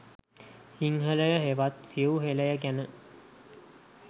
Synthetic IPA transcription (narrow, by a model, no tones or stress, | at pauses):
siŋɦələjəɦeʋat̪siəuɦeləjək̬ænə